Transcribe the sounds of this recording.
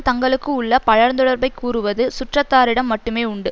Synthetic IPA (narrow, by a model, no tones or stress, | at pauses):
t̪ɐŋɡɐɭɯkːɯʊɭːɐpɐɻɐɾnd̪ɔɽɐɾbɐɪkuːrɯʋɐðɯsʊʈrɐt̪ːaːɾɪɽɐmːɐʈːɯmeːʊɳɖɯ